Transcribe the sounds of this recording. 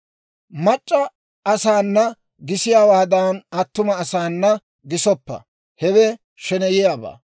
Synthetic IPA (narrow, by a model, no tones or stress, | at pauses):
mɐt͡ʃʼːɐː | saːnːɐ | ɡɪsɪjaːwaːd̪aːnɐt̪ːʊmɐːsaːnːɐ | ɡɪsɔpːɐ̰ | hɛwɛ | ʃɛnɛjɪjaːba̰ː